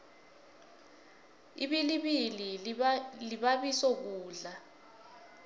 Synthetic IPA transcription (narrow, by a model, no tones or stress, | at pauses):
ḭɓiliɓili | liɓaɓisɔk̬uːɮa